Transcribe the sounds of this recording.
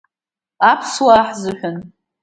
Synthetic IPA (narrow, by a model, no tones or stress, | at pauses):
apʰswaħzɨħʷᶣʊn